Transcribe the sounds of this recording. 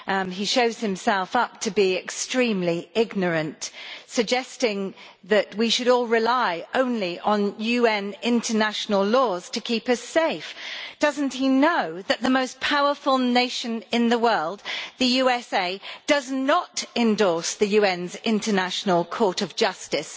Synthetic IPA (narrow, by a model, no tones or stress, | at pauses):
iʃoʊz̥hɨ̃msɛlˠfʌp̚tʰɨbiɪkstɹ̥ĩmliɪɡ̚nə˞ɨ̃ntsɨɡ̚d͡ʒɛstɪ̃ŋ | ðɨʔwiʃɨɾɔlˠɹɪlaɪõʊ̃nliʔə̃njʉɛ̃nɪ̃ntʰənaʃnəlˠlɔz̥tʰɨkʰipʌseɪfd̥ʌzn̩thinoʊðɨʔ̪̚ðəmoʊspʰaʊə˞fəlˠneɪʃɨ̃nɪ̃nðəwɜ˞lˠd̪̚ðɨjʉɛseɪd̥ʌznətɨ̃ndɔɹsðɨjʉɛ̃nzɪ̃ntʰənæʃn̩əl̩ˠkʰɔɹɾʌvd͡ʒʌstɪs